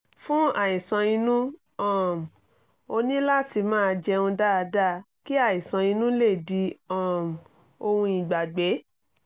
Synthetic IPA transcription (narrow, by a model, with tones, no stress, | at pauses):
fũ˦a˨i˨sã˧ĩ˧nũ˦ | ɔ̃˦˨m˨ | o˧nĩ˦la˦ti˧mãː˦˧d͡ʒɛ˧ũ˧da˦˨a˧da˦˨ | ki˦a˦˨i˨sã˧ĩ˧nũ˦le˦˨di˧˦ɔ̃˨m˨ | o˧hũ˧i˨ɡ͡ba˨ɡ͡be˨˦